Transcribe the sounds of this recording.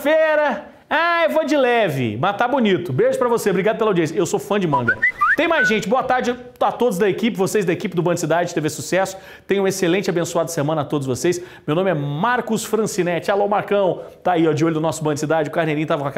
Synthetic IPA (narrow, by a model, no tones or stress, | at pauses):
feɾɐ | aɛvod͡ʒɪlɛvɪ̰mat̪abunit̪ʊbeʒʊpɾɐvosebɾiɡad̪ʊpelawd͡ʒiẽsjɐewsofɐ̃d͡ʒɪmɐ̃ɡɐt̪ẽj̃majzʒẽnt͡ʃɪboɐt̪aɾd͡ʒɪ | at̪od̪ʊzd̪ɐekipɪvosejzd̪ɐekipɪd̪ʊbɐ̃d͡ʒɪsid̪ad͡ʒɪt̪evesusɛsʊ̥ | t̪ẽj̃ũeselẽnt͡ʃabẽsuad̪ʊsemɐ̃nɐat̪od̪ʊzvosejsmewnõmɪɛmaɾkʊsfɾɐ̃sinɛt͡ʃɪalomaɾkɐ̃w̃t̪aiɔd͡ʒɪolʊd̪ʊnɔsʊbɐ̃d͡ʒɪsid̪ad͡ʒɪʊkaɾneɾĩʊt̪avɐkwaka